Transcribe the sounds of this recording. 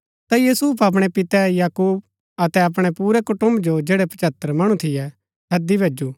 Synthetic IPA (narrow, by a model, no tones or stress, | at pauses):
t̪ãjiːsupɐp̬ɽ̃ɛpɪt̪ɛjaːkuːb̚ | ɐt̪ɛɐp̬ɽ̃ɛpuːɾɛkʊʈʊ̃md͡ʒod͡ʒeːɽɛpɐt͡ʃət̪ːəɾmɐɽ̃ũt̪ʰɪjɛ | ɦɐd̪ibʱeːd͡ʒuː